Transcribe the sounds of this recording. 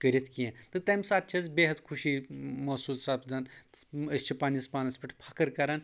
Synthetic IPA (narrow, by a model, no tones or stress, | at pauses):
kəɾʲɐt̪ʰkiẽːt̪ɨt̪ɐmʲsaːt̪̚t͡ʃʰiɐzbeːɦɐt̪kʰuʃimɐːsuːlsaːpʰd̪aːn | ɐst͡ʃʰipaːnɐspaːnɐspʲɐʈʰpʰɐkɐɾkɐɾaːn